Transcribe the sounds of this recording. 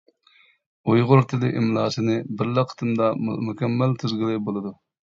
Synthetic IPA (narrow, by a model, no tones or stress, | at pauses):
ujʁʊɾt̪ʰɪlɪʔimlˠɑːʃɨnɨbɪɾləqʰːə̥t̪ʰɨmd̪ɑmukʲɛmːælt̪ʰyzɡʲilɪbolˠɨd̪u